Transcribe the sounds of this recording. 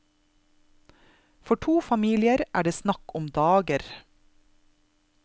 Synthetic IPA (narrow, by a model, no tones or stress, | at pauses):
fɔʈʰuːfɑmiːlɪəɾʔæːɖeːsnɑkʊmd̪ɑːɡəɾ